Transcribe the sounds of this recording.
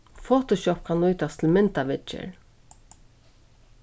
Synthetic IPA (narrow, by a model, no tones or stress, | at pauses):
foːt̪ɔʃɔp̚kʰanlʊjt̪ast̪ʰɪlmɪnt̪aʋɪt͡ʃə̰ɹ